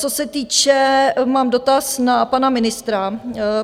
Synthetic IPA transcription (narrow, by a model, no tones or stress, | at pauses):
t͡sosɛt̪iːt͡ʃɛmaːmdo̞t̪asnapanamɪnɪst̪ɾa